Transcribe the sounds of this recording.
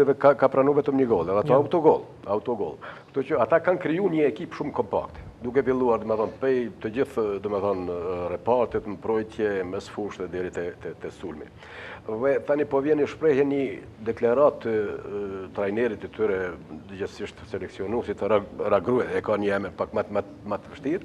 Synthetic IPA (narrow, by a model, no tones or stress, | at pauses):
vɛkakapɾanuvɛt̪əmɲəɡɔlˠɛðɛat̪aawt̪ɔɡɔ̰lˠ | awt̪ɔɡɔ̰lˠʃt̪ucəat̪akankɾijuɲəɛkipʃumkɔmpa̰kt̪ɛ̥d̪ukɛpilˠuaɾd̪ɔmɛθɔnpɛjt̪əd͡ʑiθd̪ɔmɛθɔnrɛpaɾt̪ɛt̪mpɾɔjt̪jɛmɛsfuʃt̪ðɛd̪ɛɾit̪ɛt̪ɛt̪ɛsulmḭ | ðɛt̪anipɔvjɛnəʃpɾɛhjɛnɲə | d̪ɛklaɾat̪ːə | t̪ɾajnɛɾit̪ɛt̪yɾɛd̪əd͡ʑɛsiʃt̪ə̥sɛlɛksiɔnusit̪araɡɾuɛɛkaɲəɛmənpakmat̪mat̪ | mat̪vəʃt̪iɾ